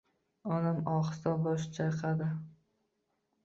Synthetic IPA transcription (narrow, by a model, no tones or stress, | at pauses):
ɒnamɒχsɒbɒʃt͡ʃʰajqʰɑd̪ɪ